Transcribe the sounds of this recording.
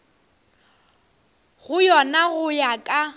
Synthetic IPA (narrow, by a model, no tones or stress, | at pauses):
ɣʊjɔnaɣʊjakʼa